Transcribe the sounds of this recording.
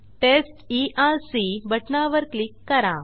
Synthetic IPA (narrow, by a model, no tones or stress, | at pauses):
ʈesʈiʔaɾsibəʈnaʋəɾklikːəɾã